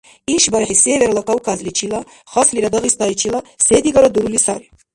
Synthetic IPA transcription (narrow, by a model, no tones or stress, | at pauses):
iʃbaɾħisɛvɛɾlɔk̪awkʰazlit͡ʃʰila | χɔsliɾad̪ɔɣist̪ait͡ʃʰilasɛd̪iɡɔɾɔd̪uɾulisaɾi